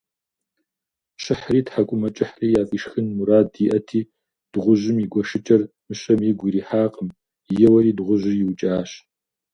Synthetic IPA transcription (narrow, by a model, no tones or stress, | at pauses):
ɕɪħriːtħakʷʼʊmɐt͡ʃʼɪħriːjaːfʼiːʂxɨnmuɾaːdiːʔɐtʰiː | d̥ʁʷʊʑɪmiɡʷɔʂɨt͡ʃʼɐr | mɨɕɐmjiɡʷiɾiːħaːqʼəm | jɛwɐɾiːdʁʷʊʒɪjɪwt͡ʃʼaːɕ